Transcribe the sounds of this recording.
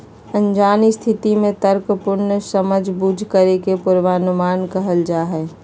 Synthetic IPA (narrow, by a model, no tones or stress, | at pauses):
ənd͡ʒaːnist̪ʰɪt̪imẽt̪əɾkəpʊɾnəsəməd͡ʒʱbud͡ʒʱkəɾekepʊɾʋanʊmaːnkəɦəld͡ʒaːɦɛː